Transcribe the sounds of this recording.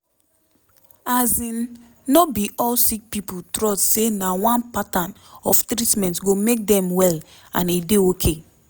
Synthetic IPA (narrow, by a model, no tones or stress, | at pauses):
azĩnː | ɔbiʔɔlsik̚piputɾɔstsenawãnpatãn | ɔftɾitmɛ̃ntɡomek̚dɛ̃mwɛl | ã̰nideokʰe